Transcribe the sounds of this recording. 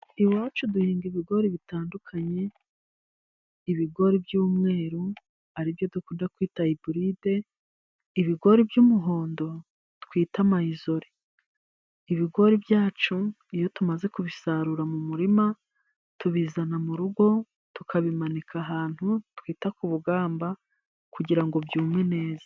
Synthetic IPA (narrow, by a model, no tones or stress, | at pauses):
iwaːt͡ʃuduhiːŋɡiβiɡo̞ɾiβitaːndukʰaɲe̞ | iβiɡo̞ɾibjuːmŋe̞ːɾu | aɾivjo̞dukuːndakwiːtaibuɾide̞ | iβiɡo̞ɾibjumuɦo̞ːndo̞ | twiːtamaizo̞ɾi | iβiɡo̞ɾibjaːt͡ʃu | ijo̞tumaze̞kuβisaɾuɾamumuɾima | tuβizanamuɾuɡo̞ | tukʰaβimanikʰaɦaːn̥hutwiːtakuβuɡaːmba | kuɟiɾaŋɡo̞bjuːmŋe̞ne̞ːza